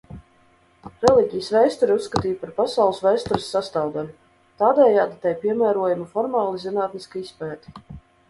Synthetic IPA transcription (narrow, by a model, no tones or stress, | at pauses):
ɾɛlˠiɟʲijəsvɛjst̪ɔɾiusːkat̪iːpaɾpasawlˠsvɛjst̪ɔɾɪsːast̪aːwd̪alʲu | t̪aːd̪ɛːjaːd̪it̪ɛjpiɛmæːɾuɔjumafɔɾmɑːlˠizinaːt̪niskaispɛːt̪i̥